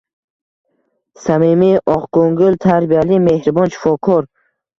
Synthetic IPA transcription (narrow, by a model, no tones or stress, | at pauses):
samimiʔɒqɡoŋɡʊlt̪ʰaɾbijalime̞hɾbɔnt͡ʃʰi̥fɒkʰɔɾ